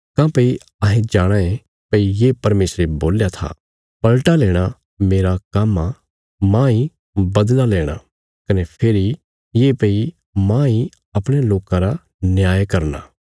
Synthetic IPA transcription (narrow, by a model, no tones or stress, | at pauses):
kãːpɐi | ɐɦẽd͡ʒaːɽ̃ae | pɐijeːpɐɾmeːsɾeboːljat̪ʰa̰ | pɐlʈaleːɽ̃a | meːɾakamːa | mãːi | bɐd̪laleːɽ̃a̰ | kɐnepʰeːɾi | jeːpɐi | mãːi | ɐpɽ̃eloːkãɾa | nɪjaːjkɐɾna̰ː